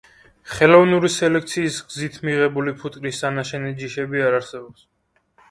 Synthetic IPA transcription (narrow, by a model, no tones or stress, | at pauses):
χɛlɔvnuɾisɛlɛk̚ʰt̪sʰiːsɡzit̪ʰmiʁɛbulipʰut̪ʼkʼɾisːanaʃɛnɛd͡ʒiʃɛbiaɾaɾsɛbɔps